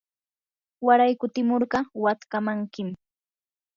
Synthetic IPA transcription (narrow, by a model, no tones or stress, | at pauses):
waɾajkʊt̪ɪmoɾɢɑwat̪kamaŋkɪm